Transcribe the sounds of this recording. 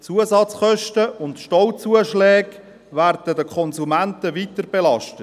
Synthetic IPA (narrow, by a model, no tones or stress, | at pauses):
t͡suəzɑt͡sχœʃtəʊntʃtɔlt͡suəʃlɛːɡ | ʋæːrdədəkʰɔnzumæntəʋiːtəɾb̥ɛlɑʃtə